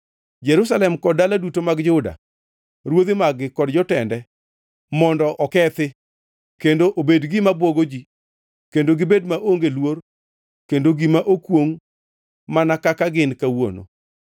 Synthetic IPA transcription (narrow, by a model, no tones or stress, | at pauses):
d͡ʒɛɾus̬alɛmkɔdaladutomaɡd͡ʒʊda̰ | ɾwod̪ɪmaɡɪkɔdd͡ʒɔtɛndɛ | mɔndɔʔɔkɛt̪ɪ | kendoʔobedɡɪmabwɔɡod͡ʒi | kendoɡɪbedmaʔoŋɡelwor | kendoɡimaʔokwoŋ | manakakaɡɪnkawo̰no̰